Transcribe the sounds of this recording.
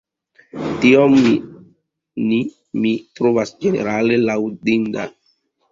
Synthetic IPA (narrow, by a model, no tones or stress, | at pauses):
tiomːi | ni | mitɾovasd͡ʒe̞nḛɾale̞lawdinda̰